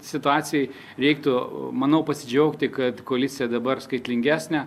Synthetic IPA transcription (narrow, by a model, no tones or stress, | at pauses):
sʲɪt̪ʊɑːsʲɪjɛɪ | ɾʲɛɪk̚t̪ʊmɐnɐʊpɐsʲɪd͡ʒʲɛʊkt̪ʲɪkɐt̪koɐlʲɪsʲɪjɛd̪ɐbɐrskɐɪt̪ʲlʲɪŋʲɡʲæːsʲnʲæ